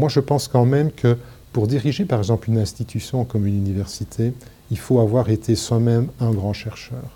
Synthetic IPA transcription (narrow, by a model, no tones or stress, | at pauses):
mwaʒəpɑ̃skɑ̃mɛmkʰə | puʁd̪iʁiʒepaʁɛɡzɑ̃plynɛ̃st̪it̪ʰysjɔ̃kɔmynynivɛʁsit̪ʰe | ilfoavwaʁet̪ʰeswamɛmɛ̃ɡʁɑ̃ʃɛʁʃœːʁ